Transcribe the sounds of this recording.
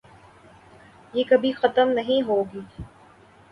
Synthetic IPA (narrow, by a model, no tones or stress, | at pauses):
jeːkɐbʱixɐt̪əmnɐɦĩɦoːɡiː